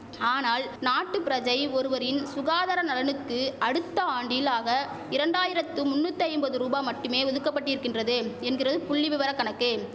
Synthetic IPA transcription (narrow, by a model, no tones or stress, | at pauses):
aːnaːlnaːʈːɯpɪɾɐd͡ʒɐɪɔɾɯʋɐɾɪnsʊɣaːðɐɾɐnɐlɐnɯkːɯɐɽɯt̪ːɐaːɳɖɪlaːɣɐ | ɪɾɐɳɖaːjɪɾɐt̪ːɯmʊnːut̪ːɐɪmbɐðɯɾuːbaːmɐʈːɯmeːɔðɯkːɐp̬ːɐʈːɪɾɯkːɪndrɐðɯɛnɡɪrɐðɯpʊɭːɪʋɪʋɐɾɐkːɐɳɐkːɯ